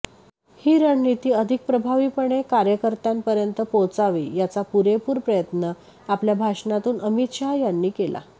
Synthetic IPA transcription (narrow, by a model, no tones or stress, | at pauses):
hiːɾəɳːit̪iːəd̪ʱik̚pɾəbʱaʋiːpəɳekaɾjəkəɾt̪ampəɾjənt̪əpot͡saʋḭjat͡sapuɾepuːɾpɾəjət̪nə | apljabʱaʂɳat̪uːnəmit̪ɕajanːiːkelʔa̰